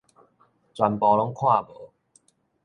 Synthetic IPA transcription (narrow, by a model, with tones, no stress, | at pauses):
t͡swa˨˧npɔ˨˩lɔ˦˥ŋkʰwa˥˩bɤ˨˦